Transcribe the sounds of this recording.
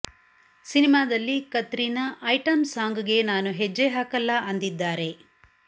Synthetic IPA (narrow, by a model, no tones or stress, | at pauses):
sinimaːd̪ɐlːikɐt̪ɾinɐʔɐjʈɐmsaːŋɡuɡe̞naːnuɦed͡ʒːeɦaːkɐlːɐʔɐnd̪id̪ːaːɾe̞